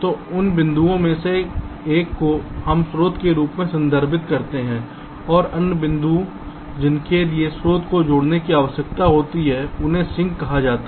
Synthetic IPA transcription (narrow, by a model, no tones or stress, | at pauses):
t̪oːʊnbɪ̃nd̪uõmẽseeːkːoɦɐmsɾoːt̪keɾuːpmẽsə̃nd̪ʱəɾbɪt̪kɐɾt̪eɦɛ̃ː | ɔːɾɐnjəbɪ̃nd̪u | d͡ʒɪnkeliesɾoːt̪ʰkod͡ʒʊɽnekiaːʋəʃjək̚t̪aɦoːt̪iɦɛʊnɦẽsɪ̃ŋɡkɐɦad͡ʒaːt̪a